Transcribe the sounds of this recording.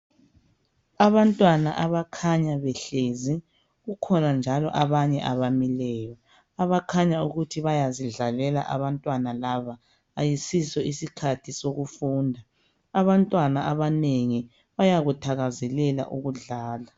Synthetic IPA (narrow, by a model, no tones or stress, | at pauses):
aβantʼwanaʔaβakʰaɲaβɛɬezi | ɣukʰɔnand͡ʒʱalɔʔaβaɲɛʔaβamilɛːjɔ | aβakʰaɲauɣutʰiβajaziɮalɛla̰ʔaβantʼwanalaβaː | jisisɔisikʰatʰisoɣufuːndʱaː | βantʼwanaʔaβaneŋi | βajaɣutʰaɣazɛlɛla̰ʔuɣuɮaːla